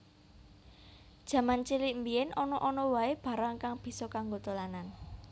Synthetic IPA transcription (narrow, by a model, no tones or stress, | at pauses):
d̥ʒ̥ä̤mant͡ʃiliʔmbiɛnɔnɔʔɔnɔwaeb̥ä̤ɾaŋkaŋb̥i̤sɔkaŋɡot̪olanan